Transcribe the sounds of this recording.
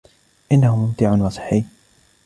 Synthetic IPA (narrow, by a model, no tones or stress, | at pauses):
ʔɪnːahʊmʊmt̪ɪʕʊnwɑsˤɨ̥ħːiː